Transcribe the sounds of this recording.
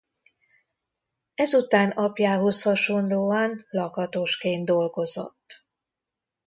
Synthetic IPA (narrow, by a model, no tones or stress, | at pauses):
ɛzut̪aːnɒpjaːɦo̞shɒʃo̞nloːɒnlɒkɒt̪oʃkeːnd̪d̪o̞lɡo̞zo̞̰t̪ː